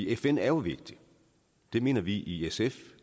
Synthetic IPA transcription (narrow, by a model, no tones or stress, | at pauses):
iefen̰æɐjo̝ʋe̝ɡ̥̚d̥i | d̥e̝me̝̰ːnɐʋiʔiesef